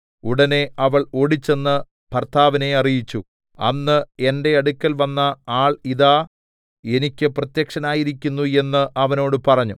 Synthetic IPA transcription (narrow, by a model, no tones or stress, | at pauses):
uɽɐne̞ʔɐʋɐɭo̞ɽit͡ɕːe̞nːɨ | bʱɐrt̪ʰaːʋɐne̞ɐrijit͡ɕːu | ɐ̰nːɨe̞nde̞ɐɽukʲːɐlʋɐnːɐaːɭiðaː | e̞nikʲːɨprɐt̪jɐkʂɐnaːjiɾik̬ʲːunːue̞nːɨʔɐʋɐno̞ːɽɨpɐrɐɲːu